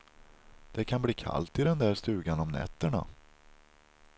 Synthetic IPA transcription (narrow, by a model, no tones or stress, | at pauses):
d̪̥ɛkʰanbliːkʰa̰lt̪ɪd̪ɛnd̪æɾʂt̪ʉ̟ːɡanɔmnɛ̰t̪ːəɳa̰